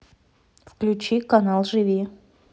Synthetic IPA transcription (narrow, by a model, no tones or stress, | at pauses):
fklʲʉt͡ɕikɐnalˠʐɨvʲi